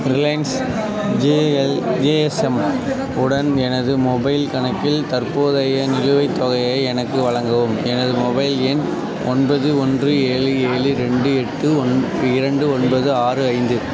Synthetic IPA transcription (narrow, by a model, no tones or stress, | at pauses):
ɪɾlɐɪns | d͡ʒeɛld͡ʒeːɛsɛm | ʊɽɐnɛnɐðɯmɔbɐɪlkɐnɐkːɪlt̪ɐɾpoːðɐjɐnɪɾɯʋɐɪt̪ːɔɣɐjɐɪɛnɐkːɯʋɐɻɐŋɡɐʋɯmɛnɐðɯmɔbɐɪlɛn | ɔ̰nbɐðɯɔndrɯeːɻɯeːɭɯɾɛɳɖɯɛʈːɯn | ɪɾɐɳɖɯɔnbɐðɯaːrɯɐɪnd̪ɯ